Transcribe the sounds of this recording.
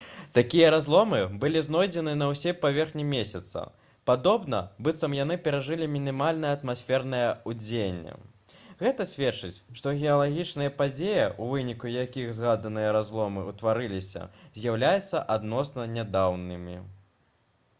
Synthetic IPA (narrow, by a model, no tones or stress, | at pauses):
t̪akʲijɐɾazlˠɔmɨbɨlʲiznɔjd͡zʲɛnɨnɐwsʲɛpavʲɛrxnʲimʲesʲɐt̪sɐ̰ | pad̪ɔbnɐ̰bɨt̪sɐmjanɨpʲɛɾaʐɨlʲimʲinʲimalʲn̪ɐjɐɐt̪masʲfʲɛrnɐjɐud͡zʲenʲːɛ̰ | ɣɛt̪ɐsʲvʲɛtt͡ʂɨt͡sʲʂt̪ɔɣʲɛɐlˠaɣʲit͡ʂnɐjɐpad͡zʲejɐʔuvɨnʲikujakʲixzɣad̪ɐnɨjɐɾazlˠɔmɨwt̪vaɾɨlʲisʲɐ̰zʲjawlʲajɛt̪sːɐʔad̪nɔsnɐnʲad̪awnɨmʲi